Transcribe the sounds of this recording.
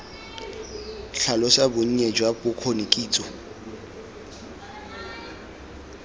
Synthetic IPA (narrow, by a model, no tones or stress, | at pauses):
ɬalɔsabʊɲ̩ɲed͡ʒwabʊkʰonikʼiːt͡sʼɔ